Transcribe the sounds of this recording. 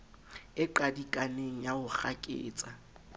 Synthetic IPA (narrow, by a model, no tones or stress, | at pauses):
ɪǃadikʼaneŋ̩jaʊχakʼḛːt͡sʼa